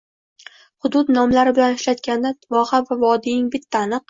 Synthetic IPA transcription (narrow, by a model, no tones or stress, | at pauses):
hʊd̪ʊd̪nɒmlaɾɪbɪlanɪʃlat̪kʲanɪvɒhavavɒd̪ɪjɪŋbɪt̪ʰːaːnɨq̚